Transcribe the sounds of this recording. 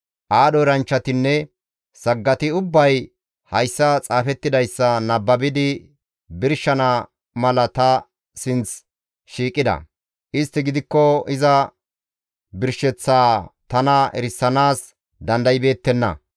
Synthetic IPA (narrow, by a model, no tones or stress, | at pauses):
ʔaːɗɔɾɐnt͡ʃːɐt̪ɪnːɛ | sɐɡːɐt̪ɪʊbːɐj | hɐjsːɐt͡sʼaːfɛt̪ːɪd̪ɐjsːɐnɐbːɐbɪd̪ɪ | bɪɾʃɐnɐ | mɐlɐt̪ɐ | sɪnt͡s | ʃiːkʼːɪd̪ɐ̰ | ʔɪst̪ːɪɡɪd̪ɪkːɔɪzɐ | bɪɾʃɛt͡sːaːt̪ɐnɐɛ̰ɾɪsːɐnaːs | d̪ɐnd̪ɐjɪbe̞ːt̪ːɛnːɐ̰